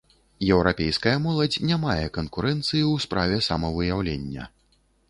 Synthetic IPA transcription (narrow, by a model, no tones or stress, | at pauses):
jɛwɾapʲejskɐjɐmɔlˠɐd͡zʲnʲamajɛkɐnkuɾɛnt̪sɨjiwspɾavʲɛsa̰mɐvɨjawlʲenʲːɐ̰